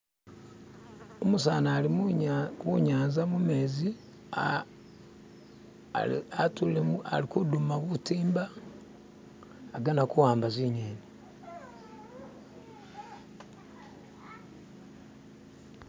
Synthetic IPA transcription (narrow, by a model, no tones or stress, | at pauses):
omusaːnaːli | wuɲaːnzamume̞ːzi | atulemua̰likudumaβutiːmba | ɡanakuwaːmbazineːni